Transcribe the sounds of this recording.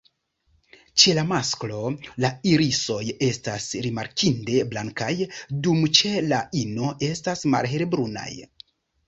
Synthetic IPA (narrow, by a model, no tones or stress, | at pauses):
t͡ʃe̞lamasklo̞laiɾiso̞je̞stasɾimaɾkʰinde̞blaŋkajdumt͡ʃe̞laino̞ʔe̞stasma̰lɦe̞ɾbɾuna̰j